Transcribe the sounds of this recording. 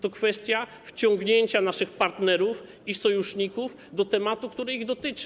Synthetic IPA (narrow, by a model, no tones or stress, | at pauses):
t̪ɔkfɛst̪ʲja | ft͡ɕɔŋɡɲeɲt͡ɕanaʂɘxpaɾt̪nɛɾuf | isɔjuʂɲikuf | d̪ɔt̪ɛmat̪ukt̪uɾɛiɣd̪ɔt̪ɘt͡ʂɘ